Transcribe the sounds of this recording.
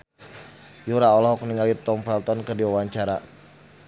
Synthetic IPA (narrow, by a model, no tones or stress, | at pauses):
juɾaɔlɔɦɔkniŋalit̪ɔmpɛlt̪ɔnkərdiwawaɲt͡ʃaɾa